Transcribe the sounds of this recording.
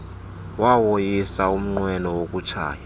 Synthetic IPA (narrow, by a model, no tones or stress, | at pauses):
wawojisaum̩ŋ͡ǃwɛnɔwok̬ʼut͡ʃʰa̰ːja